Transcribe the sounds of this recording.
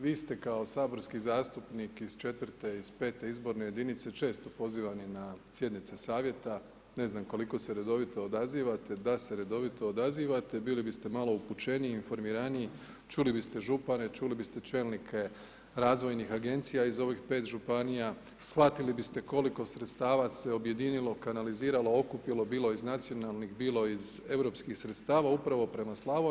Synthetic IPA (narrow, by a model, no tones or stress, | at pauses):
ʋiːst̪e̞kao̞saːbo̞ɾskizaːst̪upnikizt͡ʃe̞t̪ʋɾt̪e̞iz̥pe̞ːt̪e̞izbo̞ɾne̞je̞d̪init̪se̞t͡ʃe̞ːst̪o̞po̞ziːʋaninasje̞d̪nit̪se̞saːʋje̞t̪a | ne̞znamko̞liko̞se̞ɾe̞d̪o̞ʋit̪o̞ːd̪aziːʋat̪e̞d̪ase̞ɾe̞d̪o̞ʋit̪o̞ːd̪aziːʋat̪e̞biːlibist̪e̞malˠo̞uput͡ʃe̞niinfo̞ɾmiɾanii | t͡ʃulibist̪e̞ʒupane̞t͡ʃulibist̪e̞t͡ʃe̞ːlnikʰe̞ | ɾaːzʋo̞jnixaɡe̞nt̪sijaizo̞ʋixpe̞ːt̪ʒupanija | sxʋat̪ilibist̪e̞ko̞liko̞sɾet̪st̪aːʋase̞o̞bje̞d̪inilo̞kanaliziːɾalo̞okupilˠo̞biːlˠo̞iznat̪sijo̞nalnixbiːlˠo̞ize̞ʋɾo̞ːpskixsɾet̪st̪aːʋaupɾaʋo̞pɾe̞maslˠaʋo